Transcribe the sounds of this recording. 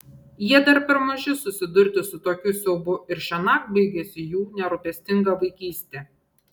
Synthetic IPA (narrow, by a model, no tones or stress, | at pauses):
jiɛd̪ɐɾpʲɛɾmʊʒʲɪsʊsʲɪd̪ʊɾʲt̪ʲɪsʊt̪oːkʲʊsʲɛʊbʊɪɾʃʲɛnɑkbɐɪɡʲɛsʲɪjuːnʲɛɾʊpʲɛsʲt̪ʲɪŋɡɐʋɐɪkʲiːsʲt̪ʲe